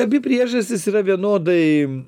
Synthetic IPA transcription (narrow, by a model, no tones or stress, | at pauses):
ɐbʲɪpʲɾʲiɛʒɐsʲt̪ʲɪsiːɾɐʋʲiɛnoːd̪ɐɪ